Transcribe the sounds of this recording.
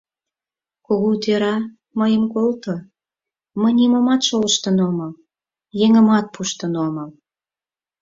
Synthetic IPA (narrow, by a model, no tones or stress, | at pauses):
koɣot̪eɾɑ | məjəmkolt̪o | məjnimomɑt̪ʃoləʃt̪ənoməl | jeŋə̆mɑt̪̚puʃt̪ənoməl